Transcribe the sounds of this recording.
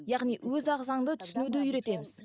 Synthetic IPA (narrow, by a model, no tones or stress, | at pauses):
jɑʁnijwɵzɑʁzɑɴd̪ət̪ʰʏ̥sɪnud̪ɪjʏɾe̞t̪e̞mɪz̥